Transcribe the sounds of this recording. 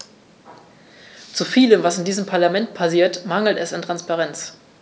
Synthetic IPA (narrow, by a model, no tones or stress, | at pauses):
t͡sufiːləmvasɪndiːzəmpʰaɐlamɛntpʰasiːɐtmaŋl̩tɛsɪntʁ̥anspaʁɛnt͡s